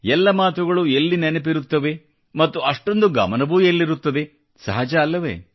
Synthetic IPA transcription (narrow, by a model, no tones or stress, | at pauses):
ɛlːɐmaːt̪uɡɐɭuelːinɛnɐp̬iɾut̪ːɐʋe̞ | mɐt̪ːuɐʂʈo̞nd̪uɡɐ̰mɐnɐbuelːiɾut̪ːɐd̪e̞ | sɐ̰ɦad͡ʒɐːlːɐʋḛ